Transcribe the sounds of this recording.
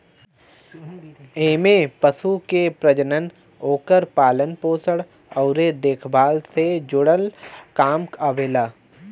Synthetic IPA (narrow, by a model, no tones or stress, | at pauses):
eːmepəsukepɾəd͡ʒənən | oːkəɾpaːlənpoːsəɽ | ɔʊɾed̪eːkʰbaːlsed͡ʒʊɽəlkaːmkaːʋeːlaː